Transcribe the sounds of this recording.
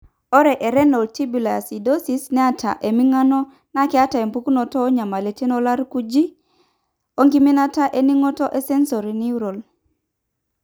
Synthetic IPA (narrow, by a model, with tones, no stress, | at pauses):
ɔ˦ɾɛ˨ʔe˨ɾɛ˦no˨ltʰi˦bu˨la̰˨si˨do˦si˨snɛ˦a˦tʰa̰˨ʔe˨mi˦ŋa˦nɔ˦ | na˦kɛ˦a˦ta˨e˨mpu˦ku˦no˨tɔː˦ɲa˨ma˨le˨te˦nɔ˦la˦ɾku˦d͡ʒi˦ | o˦ŋɡi˦mi˦na˦ta˦ʔe˦ni˦ŋɔ˦tɔ˦ʔe˦se˦nso˨ɾi˨ni˦u˦ɾo˨l